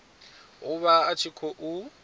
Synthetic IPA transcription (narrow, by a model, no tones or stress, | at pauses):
ʊβaːt͡ʃʰikʰɔʔu